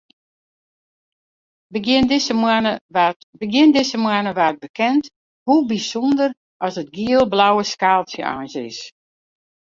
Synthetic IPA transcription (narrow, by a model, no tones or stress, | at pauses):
ə | bəɡjɪndɪsəmwanəʋaːt̚bəkʰɛnt | hubisɔndər | ʔɔsət̚ɡiəlˠblawəskaːlˠsjəʔa̰jnsɪ̰s